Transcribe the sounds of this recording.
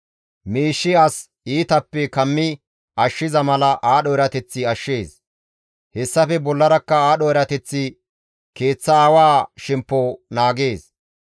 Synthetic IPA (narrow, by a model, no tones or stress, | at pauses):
miːʃːɪɐs | iːt̪ɐpːɛkɐmːɪ | ɐʃːɪzɐmɐlɐʔaːɗɔɛɾɐt̪ɛt͡sːɪɐʃːeːs | hɛsːɐfɛbɔlːɐɾɐkːɐaːɗɔɛɾɐt̪ɛt͡sːɪ | ke̞ːt͡sːɐaːwaːʃɛmpːonaːɡe̞ːs